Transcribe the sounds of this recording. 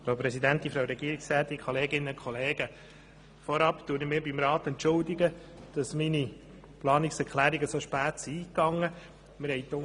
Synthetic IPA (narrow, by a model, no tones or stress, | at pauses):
fɾawpɾɛsidæntifɾawɾɛɡ̥iːɾiksɾɛːt̪ikʰɔleːɡɪnːəkʰɔleːɡ̥ə | fɔɾɑptuːnɪmɪːɾbimɾɑːtɛntt͡ʃʊldɪɡə | d̥ɑsmini | plɑːnɪksɛɾkʰlæːɾiɡəsoʃpæːtsiiːkɑŋːə | mɪɾhɛɪto